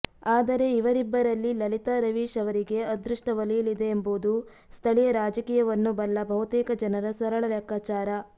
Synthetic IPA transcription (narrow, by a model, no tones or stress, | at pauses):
aːd̪ɐɾe̞iʋɐɾibːɐɾɐlːilɐlit̪aɾɐʋiːʂɐʋɐɾiɡe̞ɐd̪ɾuʂʈɐʋɐlijɐlid̪e̞ːmboːd̪u | st̪ʰɐɭijɐɾaːd͡ʒɐkiːjɐʋɐnːubɐlːɐbʱɐɦut̪iːkɐd͡ʒɐnɐɾɐsɐɾɐɭɐlɐkːaːt͡ʃaːɾɐ